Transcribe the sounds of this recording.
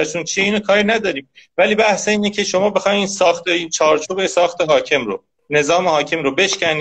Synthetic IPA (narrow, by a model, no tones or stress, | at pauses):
æʃʰunt͡ʃʰieiːnokʰɒːɾinæd̪ɒːɾiːmvæliːbæhseiːnecʰe̞ʃo̞mɒːbe̞xɒːjmiːnsɒːxt̪eint͡ʃʰɒːɾt͡ʃʰuːbesɒːxt̪e̞ɦɒːcʰe̞mɾo̰ | ne̞zɒːmehɒːcʰe̞mɾobe̞ʃcʲæniː